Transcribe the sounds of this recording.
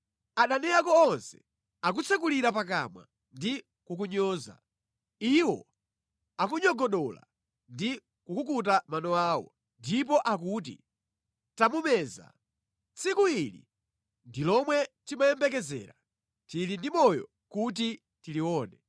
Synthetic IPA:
aɗanɛakɔːnsɛ̥ | ak̬ut͡sʰɛkuliɾap̬ak̬a̰mwa̰ | ndi | kukuɲɔːza̰ | iwɔ̰ | ak̬uɲɔɡɔɗɔla̰ | ndi | kukukut̬amanɔaːwɔ̰ | ndip̬ɔʔakuːt̬ḭ | tamumɛːza̰ | t͡sʰikuilḭ | ndilɔmwɛtimajɛmbɛk̬ɛzɛ̰ːɾa | tilindimɔjɔ̰ | kut̬i | tiliwɔːnɛ

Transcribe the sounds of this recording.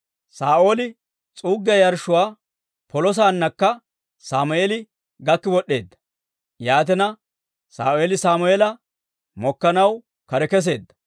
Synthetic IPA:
saːʔo̞ːlɪ | t͡sʼuːɡːɐjɐɾʃʊwaː | pɔlɔs̬aːnːɐkːɐ | saːmʊeːlɪ | ɡɐkːɪwɔɗːe̞ːd̪ːɐ̥ | jaːt̪ɛnɐ | sa̰ːʊeːlɪsaːmʊeːlɐ | mɔkːɐnɐw | kɐɾɛkɛs̬e̞ːd̪ːɐ̥

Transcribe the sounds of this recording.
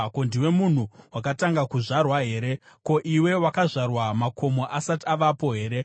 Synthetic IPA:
kondiwe̞mun̤uwakataŋɡakuʐarwaɦe̞ːɾe̞ | ko̞ʔiwe̞wakaʐarwamakʰo̞mo̞ʔasatiaʋapo̞ɦe̞ːɾe̞

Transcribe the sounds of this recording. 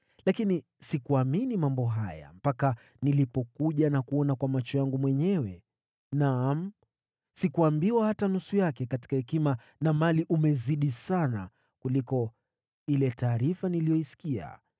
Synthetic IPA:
lakini | sikuaminimambɔɦaja̰m̩paka | nilipɔkuʄanakuɔnakwamat͡ʃɔjaŋɡumwɛɲɛwɛ | nam̩ | sikuambiwahatanusujakɛkati̥kahɛkima | namaliʔumɛziɗisana̰ | kulikɔ | ilɛtaːɾifanilijɔisi̥kia̰

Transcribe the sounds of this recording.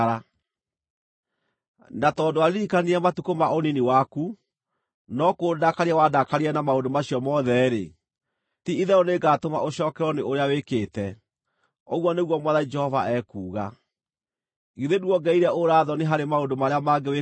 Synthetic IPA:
a | natɔndoaɾeɾikaniɛmatukomaoniniwaku | nɔkodakaɾeawadakaɾiɛnamaodomaɕjɔmɔðɛɾḛ | tiiðɛɔneɡatoma̰ʔoɕɔːkɛɾɔneoɾeawekeːtɛ | ɔɣwɔneɣwɔmwaðaid͡ʒɛhɔva̰ʔɛkuːɣa̰ | ɣiðeduwɔɡɛiɾɛʔoɾaːðɔneɦaɾemaondomaɾeamaɡewe

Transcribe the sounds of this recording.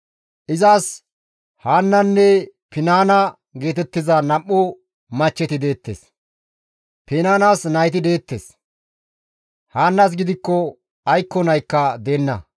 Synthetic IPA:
ʔɪzaːs | haːnːɐnːɛpɪnaːnɐ | ɡe̞ːt̪ɛt̪ːɪzɐnɐʔːʊ | mɐt͡ʃːɛt̪ɪd̪e̞ːt̪ːḛs | pɪnaːnasnɐjt̪ɪd̪e̞ːt̪ːḛs | haːnːɐs̬ɡɪd̪ɪkːɔ | ɐjkːɔnɐjkːɐd̪eːnːɐ̰

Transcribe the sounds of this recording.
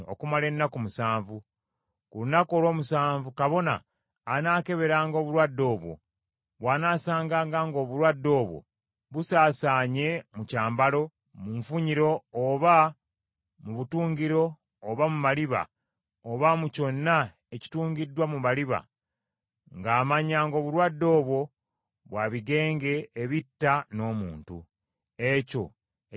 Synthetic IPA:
o̞̰kumale̞nːakumusaːɱvu | kulunako̞ːlwo̞ːmusaːɱvukaβo̞na̰ː | naːke̞βe̞ɾaːŋɡo̞ːβulwadːo̞ːβwo̞̰ | βwaːnaːsaːŋɡaːŋɡaːŋɡo̞ːβuɾwadːo̞ːβwo̞̰ | βusaːsaːɲe̞mucaːmbalo̞ | muɱfuɲiɾo̞ːβa | muβutuːɲɡiɾo̞ː | βamumaliβa̰ | oβamuco̞nːa | eci̥tuːŋɲɡidːwamumaliβa̰ | ŋɡaːmaɲaːŋɡo̞ːβulwadːo̞ːβwo̞ | βwaβiɡe̞ːŋɡe̞ːβitːano̞ːmuːntṵ | e̞co̞̰

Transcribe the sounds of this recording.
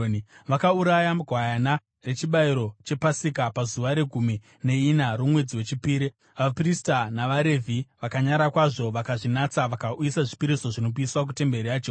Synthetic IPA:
ʋakauɾajamuɡʱwajana | re̞t͡ʃiɓaiɾo̞t͡ʃe̞pasikapazuʋaɾe̞ɡʱumi | ne̞inaɾumwe̞d͡ziwe̞t͡ʃipiːɾi | ʋapristanaʋaɾe̞vʱiʋakaɲaɾakwaʐo̞ʋakaʐinat͡saʋakauisaʐipiɾiso̞ʐino̞p̬iswak̬ute̞mbe̞ɾiaːt͡ʃo

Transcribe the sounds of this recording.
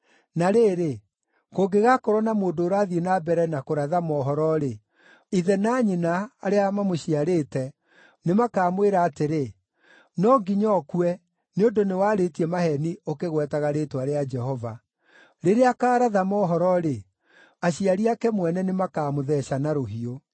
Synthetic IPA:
naɾeːɾe | koɡeɣakɔɾɔnamoːndoːɾaðienabɛɾɛnakoɾaðamɔɦɔɾɔɾe | iðɛnaːɲenaaɾeamamoɕiaɾeːtɛ | nemakaːmweɾaːteɾe | nɔɡiɲɔkuɛ | neondonewaːɾetiɛmahɛniokeɣwɛtaɣaɾetwaɾead͡ʒɛhɔva | ɾeɾeakaːɾaðamɔɦɔɾɔɾe | aɕiaɾiakɛmwɛnɛnemakaːmoðɛɕanaɾoɦio

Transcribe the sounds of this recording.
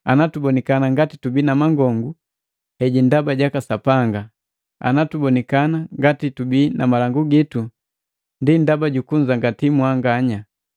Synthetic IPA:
anatubɔnikanaŋɡatitubinamaŋɡɔŋɡu | hɛɟindabaɟakasapaŋɡa | a̰natubɔnikanaŋɡatitubinamalaŋɡuɡitu | ndindabaɟukuɲd͡ʒaŋɡatimwaŋɡaɲa

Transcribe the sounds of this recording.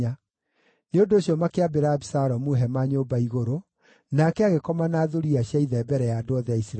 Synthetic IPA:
a | neondoːɕjɔmakeabeɾabisaɾɔmuɦɛmaɲoːbaiɣoɾo | nakɛaɣekɔmanaðoɾiaɕjaiðɛbɛɾɛjadoɔðɛaisɾ

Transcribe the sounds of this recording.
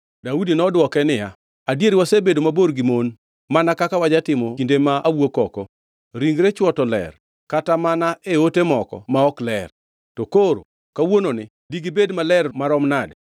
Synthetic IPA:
daudinɔdwɔkɛnɪja | adjeɾiwasebedomaboɾɡimon | manakakawad͡ʒatɪmɔkindemaawwokɔkɔ | ɾiŋɾet͡ʃwɔtɔlɛ̰r | katamanaʔeotemɔkɔ̰maɔklɛr | tokoɾo̰ | kawononɪ | diɡibedmalɛrmaɾɔmnad

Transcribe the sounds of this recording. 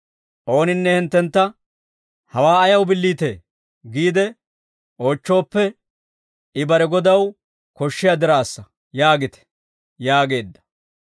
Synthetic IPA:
ʔo̞ːnɪnːɛhɪnt̪ːɛnt̪ːɐ | hɐwaːɐjɐwbɪlːiːt̪e̞̰ː | ɡiːd̪ɛ | ʔo̞ːt͡ʃːo̞ːpːɛ | ɪbɐɾɛɡɔd̪ɐw | kɔʃːɪjad̪ɪɾaːsːɐ | jaːɡɪt̪ɛ̥ | jaːɡe̞ːd̪ːɐ̥

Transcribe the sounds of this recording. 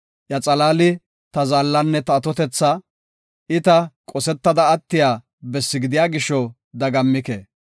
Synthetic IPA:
jɐt͡sʼɐlaːlɪ | t̪ɐzaːlːɐnːɛt̪ɐːt̪ɔt̪ɛt͡sːɐ | ɪt̪ɐkʼɔsɛt̪ːɐd̪ɐːt̪ːɪjaː | bɛsːɪɡɪd̪ɪjaːɡɪʃɔ | d̪ɐɡɐmːɪkḛː

